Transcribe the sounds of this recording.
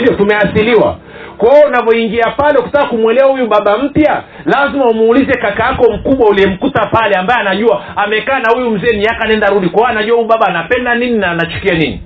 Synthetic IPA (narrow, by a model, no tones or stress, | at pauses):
vjɔtumɛasiliwa̰ | kwaɔunavɔiŋɡiapalɛukutakːakumwɛlɛwahujuɓaɓam̩pja | lazimaumːlizɛkakaakɔm̩kuɓwauliɛm̩kutapalɛambaɛanaʄuaamɛkaːnahujum̩zɛːmiakanɛndaɾuɗikwaanaʄuwahujuɓaɓaːnapɛndanininaːnat͡ʃu̥kianinḭ